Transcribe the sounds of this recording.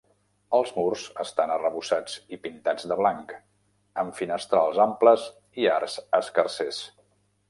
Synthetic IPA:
əlˠzmurzəst̪anərəβusad͡zipint̪ad͡zd̪əβlaŋk | əmfinəst̪ɾalˠzampləz | iarzəskərses

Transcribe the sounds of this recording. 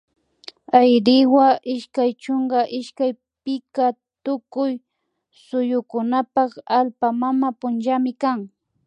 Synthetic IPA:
ajɾɪwaʔɪʃkajt͡ʃoŋɡaʔɪʃkaj | pɪka | t̪ʊkʊj | sʊjʊkʊnapɑχalpamamapʊnt͡ʃamɪkaŋ

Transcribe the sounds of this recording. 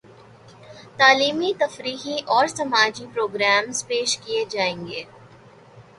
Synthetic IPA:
t̪aːliːmit̪ɐfɾiːɦiʔɔːɾsɐmaːd͡ʒipɾoːɡɾɛːmzpeːʃkied͡ʒaːẽːŋɡeː

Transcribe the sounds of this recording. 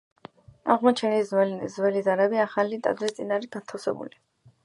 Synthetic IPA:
a̰ʁmɔt͡ʃʰɛnizɛzwɛlizaɾabiaχalit̪ʼa̰d̪ɾist̪sʼinaɾiɡ̥at̪ʰafsɛ̰bṵli

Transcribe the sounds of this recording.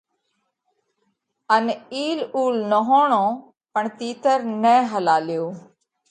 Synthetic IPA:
əniːluːlnəɦoːɳõː | pəɳt̪iːt̪əɾnɛ̃ːɦəlaːlɪjoː

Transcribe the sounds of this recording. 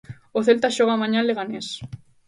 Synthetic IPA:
oθelt̪aʃoɣamãɲaleɣ̞anes

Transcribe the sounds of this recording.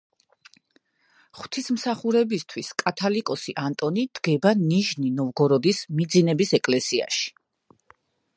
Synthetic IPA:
χw̥t̪ʰismsaχuɾɛbist̪ʰwiskʼat̪ʰalikʼɔsiʔant̪ʼɔnid̪̥ɡɛbaniʒninɔvɡɔɾɔd̪ismid̪zinɛbisɛkʼlɛsia̰ʃi̥

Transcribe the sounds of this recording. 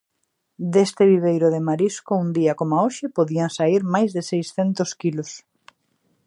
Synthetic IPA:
d̪est̪ɪβiβ̞ejɾʊðemaɾiskound̪iakomoaoʃɪpoðiaŋsaiɾmajzðɪsejsθent̪oskilʊs

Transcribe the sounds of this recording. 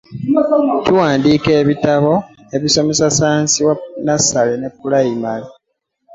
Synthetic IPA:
tuwaːndiːke̞ːβitaβo̞ | e̞βiso̞me̞sasaːnsiwanasalene̞pːulaimali

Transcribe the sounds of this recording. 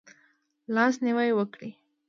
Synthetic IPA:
lɑsnɪwajwəkɽi

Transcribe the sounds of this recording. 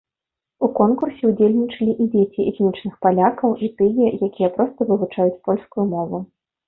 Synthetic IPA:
ukɔnkursʲɛud͡zʲelʲnʲit͡ʂɐlʲiʔid͡zʲet͡sʲiʔɛxnʲit͡ʂnɨxpalʲakɐwʔit̪ɨjɛjakʲijɛpɾɔst̪ɐvɨvut͡ʂajut͡sʲpɔlʲskujumɔvu

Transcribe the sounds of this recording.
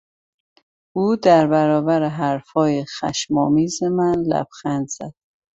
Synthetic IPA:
ʔuːd̪æɾbæɾɒːbæɾeɦæɾfɒːjexæ̰ʃmɒːmiːzemænlæ̰b̥xænd̪z̥æd̪̥̚

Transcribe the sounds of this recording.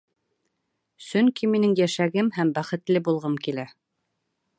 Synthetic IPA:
sɵŋkiminɘŋjæʃæɡɘmhæmbæχɘ̆t̪lɘbulˠʁɤmkilæ

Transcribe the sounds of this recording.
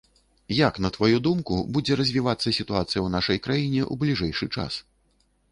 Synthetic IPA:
jaknɐt̪vajud̪umkubud͡zʲɛɾɐzʲvʲivat̪sːɐsʲit̪uat̪sɨjɐwnaʂɐjkɾajinʲɛʔṵblʲiʐɛjʂɨt͡ʂa̰s

